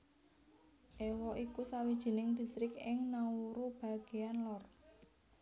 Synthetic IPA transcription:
ʔewɔʔikusawid̥ʒ̥i̤nɪŋd̪̥i̤st̪ɾɪkɪŋnauɾub̥a̤ɡ̥e̤anlɔr

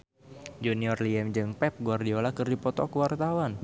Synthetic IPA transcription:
d͡ʒuniɔrliɛmd͡ʒɨŋpɛp̚ɡuardiɔlakɨrdipɔt̪ɔkəwart̪awan

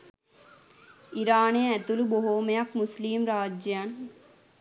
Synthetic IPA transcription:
iɾaːnejɐɛt̪uluboɦoːmejɐkmusliːmɾaːd͡ʒjaːn

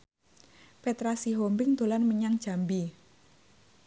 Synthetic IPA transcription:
pet̪ɾasiɦombɪŋd̪̥o̤lanməɲaŋd̥ʒ̥a̤mbi

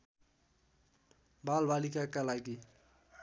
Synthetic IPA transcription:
balbʱalikakalaɡi

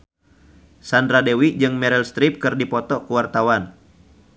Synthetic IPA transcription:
sandɾadewid͡ʒɨŋmɛɾɛlst̪ɾip̚kɨrdipɔt̪ɔkuwart̪awan

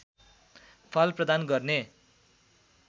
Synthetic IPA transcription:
pʰʌlprʌd̪anɡʌrne

